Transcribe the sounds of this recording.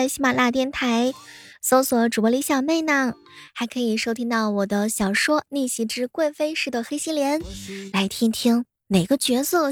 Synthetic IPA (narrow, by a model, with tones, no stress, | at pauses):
t͡sɪɕi˥ma˨˩nla˥˧t̪jɛ˥˩nt̪ʰa˧˥ɪso˧˥ʊswɔ˨˩ʈ͡ʂu˨˩pɔ˧˥li˧˥ɕjɑ˨˩ŋme˥˧ɪna˥˩ŋ | xa˧˥ɪkʰɤ˧˥i˨˩ʂo˥ʊt̪ʰi˥ŋt̪ɑ˥˩ʊwɔ˨˩d̪ə˦ɕjɑ˨˩ʊʂwɔ˥ni˥˩ɕi˧˥ʈ͡ʂɻ̩˥kwa˥˩nfe˥ɪʂɻ̩˥˩d̪ə˩xe˥ɪɕi˥ljɛ˧˥nla˧˥ɪt̪ʰi˥ŋt̪ʰi˥ŋ | ne˨˩ɪɡə˦t͡ɕɥɛ˧˥sɤ˥˩